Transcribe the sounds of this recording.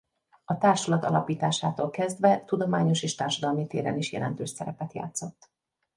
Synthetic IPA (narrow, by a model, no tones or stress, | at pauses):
ɒt̪aːrʃɒlɒt̪ɒ̰lɒpiːt̪aːʃaːt̪oːlkɛzd̪ʋɛt̪ud̪o̞maːɲo̞ʃeːʃt̪aːrʃɒd̪ɒlmit̪eːɾɛ̰niʃjɛ̰lɛ̰nt̪øːʃsɛɾɛpɛt̪ja̰ːt̪so̞t̪ː